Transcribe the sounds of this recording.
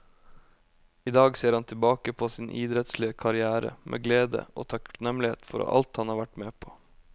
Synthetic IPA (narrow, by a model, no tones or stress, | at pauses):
iːd̪ɑːɡseːɾhɑnt̪ʰɪlbɑːkəpʰoːsiːnʔiːd̪ɾɛt̪slɪəkʰɑɾɪæːɾə̰mʔḛːɡleːd̪ə̰ʔo̰ːt̪ʰɑknɛmlɪḛːt̪fɔɾ̰ʔɑ̰lt̪hɑnhɑːɾʋæʈmeːpʰo̥ː